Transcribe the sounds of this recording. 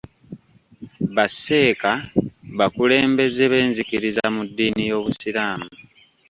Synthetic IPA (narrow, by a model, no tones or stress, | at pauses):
βase̞ːkaβakule̞ːmbe̞ze̞βe̞ːnzikiɾizamudːiːnijo̞ːβusiɾaːmu